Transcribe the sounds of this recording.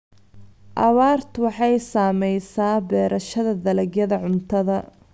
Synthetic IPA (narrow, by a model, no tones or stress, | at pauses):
ʔɑβaːrt̪ʰwɑħɑjsaːmɛjsaːbɛːɾʔɐʃɐðɐd̪ɐlɐɡjɐðɐʕʊnt̪ʰɐðɐ